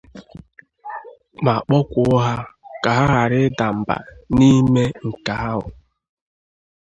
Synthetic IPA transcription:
ma˨k͡pɔ˦kʷʊ˨ʊ˦ɦa˦ka˨ɦa˦ɦa˨ɾɪ˦da˨m̩˨ba̰˨ni˦me˦ŋ̩˨ka˨˦a˦ɦʊ̰˨

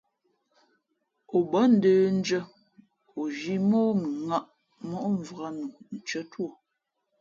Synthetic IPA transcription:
o˨bə˨˦n̩˨˦dəː˦n̩˦d͡ʒə˦ | o˨ʒi˦mɔː˦mi˨ŋa˦ʔ | mɔ˦ʔɱ˨va˦nu˨n̩˨t͡ʃə˦two˦˨

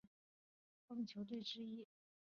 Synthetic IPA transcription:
fɤ˥˩ŋt͡ɕʰjo˧˥ʊt̪we˥˩ɪʈ͡ʂɻ̩˥i˥

